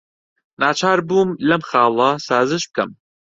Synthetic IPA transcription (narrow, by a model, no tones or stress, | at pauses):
naːt͡ʃʰaːɾbuːmlɐmχɑːlˠɐsaːzɨʃb̚kɐm